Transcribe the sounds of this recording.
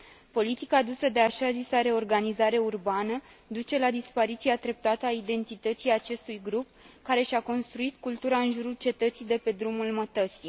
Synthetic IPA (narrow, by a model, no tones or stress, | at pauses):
po̞lit̪ikaːd̪usəd̪e̞aʃazisaɾe̞o̞rɡanizaɾe̞urbanəd̪ut͡ʃe̞lad̪ispaɾit̪siat̪ɾe̞p̚t̪at̪əaid̪e̞nt̪it̪ət̪sijat͡ʃe̞st̪ujɡɾup̚ | kaɾe̞ʃako̞nst̪ɾuit̪kult̪uɾaɨnʒuɾult͡ʃe̞t̪ət̪sid̪e̞pe̞d̪ɾumulmət̪ət̪si